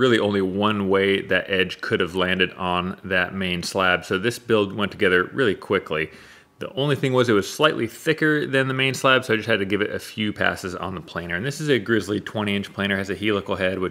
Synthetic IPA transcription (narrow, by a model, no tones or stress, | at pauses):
ɹɪlˠiʔõʊ̃nliwʌ̃nweɪðɨɾʔɛd̥ʒ̥kʰʊɾɨvlæ̃ndɨɾn̩ðɨt̚mẽɪ̃nslæb̥soʊðɪsb̥ɪlˠd̚wɛ̃ntʰɨɡɛðə˞ɹɪlˠikʰw̥ɪkʰli | ðḭʔõʊ̃nliθɪ̃ŋwʌzɨt̚wʌz̥slaɪʔˡliθɪkə˞ðɨ̃nðɨmẽɪ̃nslæb̥soʊaɪd͡ʒʌst̚hɨd̚tɨɡɪvɨɾʔɨ̰fjʉpʰæ̰sɨzn̩ðəpʰl̥ẽɪ̃ñə˞ɨ̃nðɪsɨzɨɡɹɪzlitʰw̥ɛ̃ɾ̃iɪ̃nt͡ʃpʰl̥ẽɪ̃nə˞ɨzɨhilˠʌkl̩ˠɦɛd̚wɨ